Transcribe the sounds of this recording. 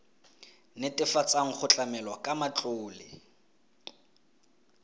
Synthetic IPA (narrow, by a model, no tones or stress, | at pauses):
nɪtʼɪfat͡sʼaŋ̩χʊt͡ɬʼamɛlwakʼamat͡ɬʼoːlɪ